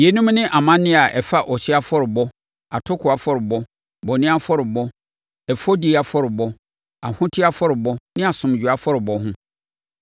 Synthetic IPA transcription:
je˨nũ˦mnɪ̃˦ʔa˨mã˦nɪ̃˦a˨ʔɛ˨fa˦ʔɔ˨ɕɪ˦a˦fɔ˦ɾɪ˨bɔ˦ | a˨tʰʊ˦kʰʊ˨a˨fɔ˦ɾɪ˨bɔ˦ | bɔ˨nɪ̃˦a˦fɔ˦ɾɪ˨bɔ˦ | ɛ˨fɔ˦di˨a˨fɔ˦ɾɪ˨bɔ˦ | a˨hʊ̃˦tʰɪ˦a˦fɔ˦ɾɪ˨bɔ˦nɪ̃˦a˨sʊ̃˨m˨d͡ʑᶣu˨a˦fɔ˦ɾɪ˨bɔ˦ɦʊ̃˦

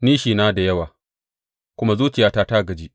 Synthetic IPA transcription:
niː˦ʃiː˨naː˦da˨jɐ˦waː˨ | kʷʊ˦ma˦zuː˦t͡ʃɪ˨jaː˦taː˦ta˦˨ɡɐ˨d͡ʒiː˦

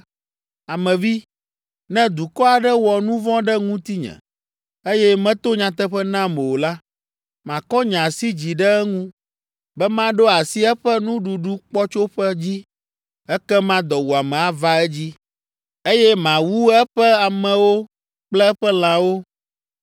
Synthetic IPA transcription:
a˨mɛ̃˨vi˦ | nɛ̃˦d̪u˨kɔ˦a˨ɖɛ˦wɔ˨nũ˦vɔ̃˦ɖɛ˦ŋũ˦t̪i˦ɲɛ̰̃˨ | e˦jɛ˦mɛ̃˦t̪o˦ɲã˨t̪ɛ˦ɸɛ˦nã˦mɛ̃˨wo˨la˦ | mã˨kɔ˦ɲã˨si˦d͡ʑi˨ɖɛ˦ɛ˦ŋũ˦ | bɛ˦mã˦ɖo˦a˨si˦ɛ˦ɸɛ˦nũ˦ɖu˨ɖu˦k͡pɔ˦t͡ʃo˦ɸɛ˦d͡ʑi˦ | ɛ˦kɛ˦mã˦d̪ɔ˨wu˨a˨mɛ̃˨a˦va˦ɛ˦d͡ʑi˦ | e˦jɛ˦mã˨wu˦ɛ˦ɸɛ˦a˨mɛ̃˨wo˦ | k͡plɛ˦ɛ˦ɸɛ˦l̃ã˨wo˦

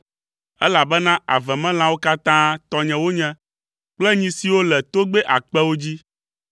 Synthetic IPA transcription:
ɛ˦la˨bɛ˦nã˦a̰˨vɛ̃˨mɛ̃˦l̃ã˦wo˦ka˦t̪ã˦t̪ɔ˦ɲɛ̃˨wo˦ɲɛ̃˦ | k͡plɛ˦ɲĩ˦si˨wo˦lɛ˨t̪o˦ɡ͡bɛ˦ʔa˨k͡pɛ˦wo˦d͡ʑi˦

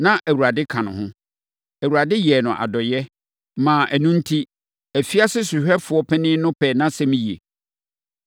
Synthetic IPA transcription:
nã˦ʔæ˨wu˨ɾa˨dɪ˦kʰã˨nʊ̰̃˨hʊ̃˦ | æ˨wu˨ɾa˨dɪ˦jɛ˨nʊ̃˨ʔa̰˨dɔ˨jɛ˦ | mãː˨ʔæ˨nũ˦n̩˦tʰi˦ | æ˨fi˦a˦sɪ˦su˨ɕᶣɛ˦fʊ˨ɔ˦pʰɛ˦nɪ̃˦nʊ̃˦pʰɛː˨nã˦sɛ˦mĩ˦jḛ˨

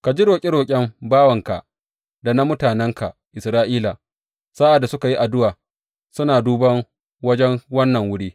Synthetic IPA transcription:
ka˨d͡ʒi˦ɽoː˨kʲʼɪ˦ɾoː˨kʲʼɛ˦mbaː˦wɐ˨ŋka̰˨ʔ | da˨na˦mʊ˦taː˨nɛ˦ŋkʰa̰˨ʔɪ˨sɾaː˦ʔiː˦laː˨ | saː˦ʔa˨dːa˨sʊ˦ka˨ji˦ʔa˨dʊ˦waː˨ | sʊ˦naː˨duː˦bɐ˦ŋ | wɐ˦d͡ʒɛ˦ŋwɐ˦nːɐ˨ŋwʊ˦ɽiː˦

